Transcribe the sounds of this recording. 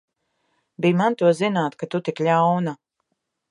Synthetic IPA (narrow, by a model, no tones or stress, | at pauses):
bijmant̪uɔzinaːt̪kat̪ut̪ikʎʲawna